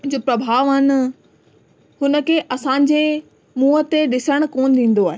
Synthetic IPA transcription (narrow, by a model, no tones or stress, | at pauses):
d͡ʑoːpɾɐbʱaːʋɐn̆ | hʊnə̆kʰeːʔɐsãːɲ̆d͡ʑeː | muːɦət̪eɗɪsəɽ̃koːnɪd̪ĩːn̆d̪oaːɦeː